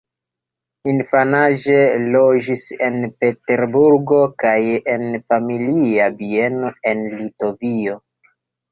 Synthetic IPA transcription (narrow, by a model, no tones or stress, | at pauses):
infanaʒe̞lo̞d͡ʒise̞npe̞te̞ɾbuɾɡo̞kajenfamiliabie̞no̞e̞nlito̞vio̞